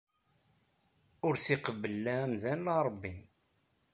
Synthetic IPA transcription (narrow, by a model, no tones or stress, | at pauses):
ʊɾθiqəvəlːæmðænlɑɾˤəbːin